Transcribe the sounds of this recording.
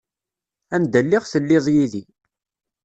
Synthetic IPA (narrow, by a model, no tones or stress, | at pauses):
ænd̪əlːɪʁθəlːɪðˤjiði